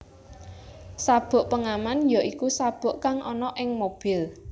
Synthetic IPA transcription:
sab̥ʊ̤ʔpəŋamanjɔʔikusab̥ʊ̤ʔkaŋʔɔnɔʔɪŋmob̥ɪl

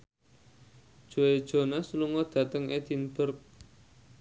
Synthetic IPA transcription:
d̥ʒ̥o̤ed̥ʒ̥o̤nasuluŋɔd̪̥ä̤t̪əŋed̪̥inb̥ərk̚

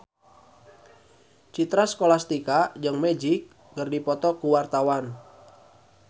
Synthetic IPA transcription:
t͡ʃit̪ɾaskolast̪ikad͡ʒəŋmɛd͡ʒɪk̚ | kərdipɔt̪ɔkuwart̪awan

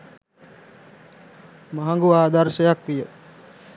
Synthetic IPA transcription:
maɦaŋɡuʋaːd̪aɾʃəjakʋijə

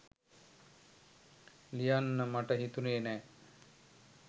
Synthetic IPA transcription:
lijanːəmaʈəɦit̪uneːnɛː

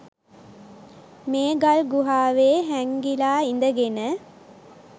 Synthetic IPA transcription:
meːɡalɡuɦaːʋeːɦæŋɡilaːind̪əɡenə

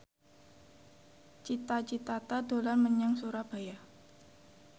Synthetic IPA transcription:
t͡ʃit̪at͡ʃit̪at̪ad̪o̤lanməɲaŋsuɾab̥a̤ja

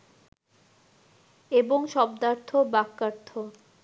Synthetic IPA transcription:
eboŋʃɔbd̪aɾt̪ʰobakːaɾt̪ʰo

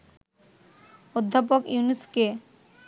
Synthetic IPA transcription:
od̪ʱːapokjuniske

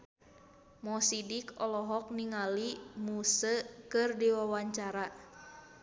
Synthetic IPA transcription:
mɔsidikɔlɔɦɔk̚niŋalimusəkɨrdiwawaɲt͡ʃaɾa

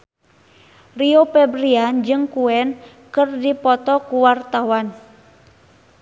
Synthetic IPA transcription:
riopɛbɾiand͡ʒɨŋkuɛn | kɨrdipɔt̪ɔkuwart̪awan

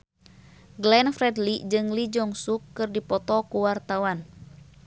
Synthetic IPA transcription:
ɡlɛnfɾɛdlid͡ʒɨŋlid͡ʒɔŋsukːɨrdipɔt̪ɔkuwart̪awan

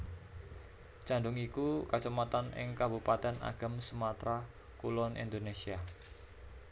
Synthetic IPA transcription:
t͡ʃandʊŋikukat͡ʃumat̪anɪ̰ŋkabupat̪ɛna̰ɡ̥a̤msumat̪ɾa | kulɔnḭnd̪onesia

